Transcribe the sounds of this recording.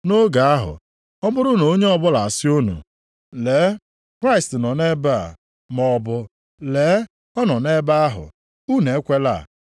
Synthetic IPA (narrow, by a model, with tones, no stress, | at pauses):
no˦ɡa˨a˦ɦʊ̰˨ | ɔ˦bʊ˦ɾʊ˦no˨˦ɲe˦ɔ˦˨bʊ˦la˨a˨sɪ˦o˦nṵ˨ | leː˨˦ | kɾa˦ɪ˨stɪ˨nɔ˨ne˦ba̰˦˨ | mɔ˦bʊ˦ | le˨˦ | ɔ˦nɔ˨ne˦ba˦a˦ɦʊ̰˨ | u˦ne˨e˦kʷe˦la̰˦˨